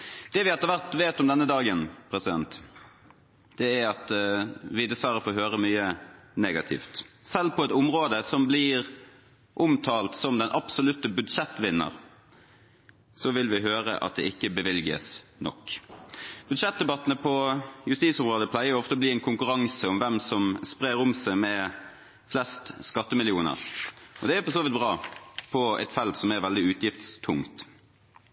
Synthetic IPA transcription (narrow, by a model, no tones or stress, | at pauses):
d̪̥ɛʋɪɛlt̪ːəʋæʁt̪ʋeːt̪ɔmd̪ɛnːəd̪ɑːɡənpʰʁɛsɪd̪ɛ̰nt̪ | d̪̥ɛæɾɑt̪ʋɪd̪əsʋɑːʁəfoːɦøːʁəmyːəneːɡɑt̪ʰɪ̰ft̪ | sɛlpʰɔɛt̪ʊmʁoːd̪əsɔmblɪʁ | ʔʊmt̪ʰɑːlt̪sɔmd̪ɛnʔɑpsɔlʉt̪ːəbʉd̪ʂɛt̪ːʋɪnːə̰ʁ | sɔʋɪlʋɪɦøːʁə̰ʔɑ̰t̪̚d̪ɛ̰ɪkːəbəʋɪlɡə̰snɔ̰kː | b̥ʉd̪ʂɛt̪̚d̪ɛbɑt̪ːənəpʰɔjʉst̪iːt̪sʊmʁoːd̪əpʰlæɪəɾɔɔft̪əbliːɛnkʰʊŋkʉɾɑŋsəɔmʋɛmsɔmspʁeːɾʊmsæɪmɛ | flɛst̪skɑt̪ːəmɪlɪuːnə̰ʁʔɔd̪ɛæpʰɔsoːʋɪt̪̚bʁɑːpʰɔɛ̰t̪fɛlt̪sɔmæʁʋɛld̪ɪʉːt̪jɪft̪st̪ʰʊŋt̪